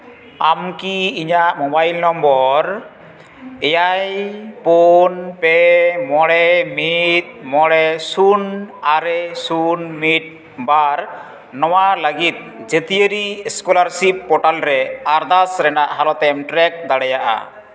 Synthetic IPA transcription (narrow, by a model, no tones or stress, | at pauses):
amkiːɲaʔmɔbajlnɔmbɔɾ | ɛjajponpɛmɔɽɛmit̪̚ˀmɔɽɛsunaɾɛsunmit̪̚ | baɾ | nɔwaləɡit̪̚d͡ʒet̪ijəɾiskɔlaɾsip̚ːɔʈalɾɛaɾd̪asɾɛnaʔɦalɔt̪ɛmʈɾɛk̚d̪aɽɛjaʔa̰